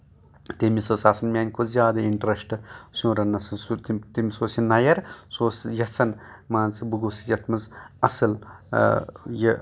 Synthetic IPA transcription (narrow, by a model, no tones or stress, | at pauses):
t̪emisɐsaːsɐnmʲaːnʲkʰozʲjaːd̪ɐiɳʈɾɐsʈɨsʲũːɾɐnɐsɐsut̪t̪imisoːsinɐjɐɾsoːsjɐsɐnmaːnt͡sɨbɨɡosjɐt̪ʰmɐzɐsɨl | jɐ